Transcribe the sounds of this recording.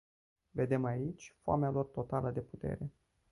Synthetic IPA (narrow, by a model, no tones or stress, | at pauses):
ve̞d̪e̞mait͡ʃʲfoa̰mealo̞rt̪o̞t̪alʔəd̪e̞put̪ḛɾe̞